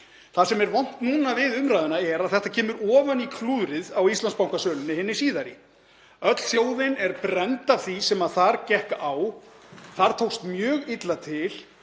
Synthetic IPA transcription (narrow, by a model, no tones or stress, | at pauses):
θasɛmɛɾvɔn̥t̪nuːnavɪðʏmɾajðɪnaɛɾaðθɛht̪acʰɛːmʏɾɔːvanikʰluːðɾɪðawist̪lanspawŋkasœːlʏnːɪhɪnːɪsiːðaɾḭ | œt̪l̥θjoːwðɪnɛɾpɾɛnt̪avθisɛmaðθaɾcɛhkaʔawθaɾ̥t̪ʰowst̪mjœːɣɪt̪lat̪ʰɪl